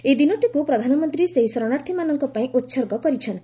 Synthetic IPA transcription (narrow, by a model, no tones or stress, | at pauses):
ed̪inɔʈikupɾɔd̪ʱanɔmɔnt̪ɾiseɦisɔɾɔɽ̃aɾt̪ʰimanɔŋkɔpaĩʔut̪sɔɾɡɔkɔɾit͡ʃʰɔn